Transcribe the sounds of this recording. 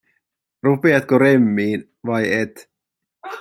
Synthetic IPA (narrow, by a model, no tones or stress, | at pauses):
rupeɑt̪koɾemːiːn | ʋɑjet̪